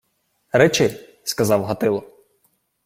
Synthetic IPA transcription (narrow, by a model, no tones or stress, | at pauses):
ɾɛt͡ʃɪ | skɐzɑwɦɐt̪ɪlˠɔ